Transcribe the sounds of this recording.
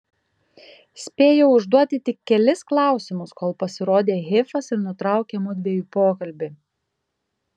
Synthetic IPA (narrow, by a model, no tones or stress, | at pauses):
sʲpʲeːjɛʊʊʒd̪uɔt̪ʲɪt̪ʲɪkʲːɛlʲɪsklˠɑˑʊsʲɪmʊskoːlˠpɐsʲɪɾoːd̪ʲeːɣʲeːfɐsɪɾnʊt̪ɾɑˑʊkʲeːmʊd̪ʲʋʲeːjuːpoːkɐlʲbʲɪ